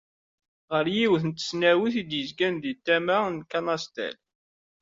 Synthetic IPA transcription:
ʁəɾjiwθənt̪ːə̥snæwiθid̪jəzɡænd̪it̪ːæmænkɑnɑst̪æ̰l

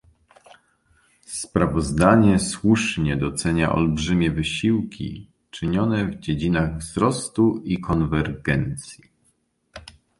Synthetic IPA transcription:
spɾavɔzd̪aɲɛswuʂɲɛd̪ɔt̪sɛɲa̰ʔɔ̰lbʐɘmʲjɛvɘɕiwkʲʰḭ | t͡ʂɘɲɔnɛvd͡ʑed͡ʑinaɣvzɾɔst̪uikɔnvɛɾɡɛnt̪sʲji

